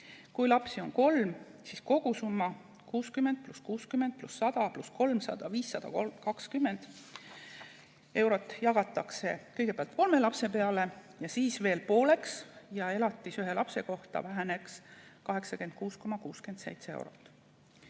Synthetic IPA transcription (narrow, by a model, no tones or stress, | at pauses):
kujlɑpsio̞nko̞lmsisko̞ɡ̥usumːɑ | kuːskymːend̪̥̚pluskuːskymːe̞nd̪̥̚plusːɑd̪̥ɑplusko̞lmsɑ̰d̪̥ɑviːsːɑd̪̥ɑ̰komkɑkskymːe̞nd̪̥ | e̞wɾo̞t̪ːˑjɑɡ̥ɑt̪ːˑɑkse̞kɤ̞jɡ̥e̥eɑlt̪̚ˑko̞lme̞lɑpse̞pe̞ɑle̞ | jɑsiːsve̞ːlpo̞ːle̞ksjɑe̞lɑt̪ːˑisyɦe̞lɑpse̞ko̞ht̪ɑ̰væɦe̞ne̞kskɑɦe̞ksɑkend̪̥̚kuːsko̞mɑkuːske̞nd̪sejt̪seḛwɾo̞̰t̪ːˑ